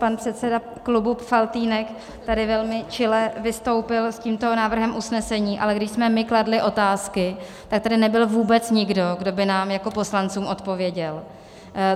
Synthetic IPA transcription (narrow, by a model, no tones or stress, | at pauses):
panpr̥ɛt̪sɛda | klubufalt̪iːnɛk | t̪adɪvɛlmɪt͡ʃɪlɛvɪst̪o̞wpɪlsciːmt̪o̞naːvr̩ɦɛmʔusnɛsɛɲiːʔalɛɡdɪʃsmɛmɪkladlɪʔo̞t̪aːskɪ | t̪ak̚t̪adɪnɛbɪlvuːbɛt͡sɲɪɡdo̞ɡdo̞bɪnaːmjako̞po̞slant͡suːmʔo̞t̪po̞vjɛɟɛl